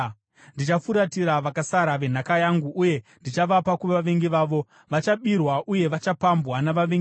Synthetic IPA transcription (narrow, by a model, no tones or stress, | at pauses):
ndit͡ʃafuɾatiɾaʋakasaɾaʋe̞n̤akajaŋɡuːje̞ndit͡ʃaʋapakuʋʋaʋeŋɡiʋaːʋo̞ | ʋat͡ʃaɓirwaʔuje̞ʋat͡ʃapambwanaʋaʋeŋɡi